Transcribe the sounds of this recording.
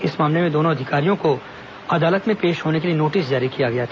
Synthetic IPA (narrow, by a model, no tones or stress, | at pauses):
ɪsmaːmlemẽd̪oːnõɐd̪ʱɪkaːɾijõko | ɐd̪aːlət̪mẽpeːʃɦoːnek̬elienoːʈɪs̬d͡ʒaːɾikijaɡɐjat̪ʰː